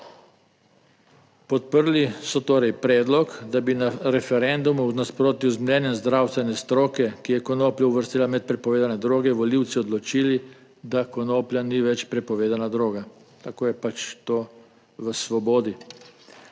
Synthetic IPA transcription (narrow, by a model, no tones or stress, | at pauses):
pɔt̪̚pəɾlisɔt̪oːɾɛjpɾɛːd̪lɔkd̪abinaɾɛfɛɾɛnd̪umuznaspɾoːt̪iuzmlɛnjɛmzd̪ɾawst̪ʋɛnɛst̪ɾoːkɛkijɛkɔnoːpljauʋəɾst̪eːlamɛt̪̚pɾɛpɔʋeːd̪anɛd̪ɾoːɡɛʋɔliwt̪siɔd̪lɔt͡ʃiːli | d̪akɔnoːplʲjaniʋɛt͡ʃpɾɛpɔʋeːd̪anad̪ɾoːɡat̪akoːjɛpat͡ʃt̪oː | ʋəsʋɔboːd̪i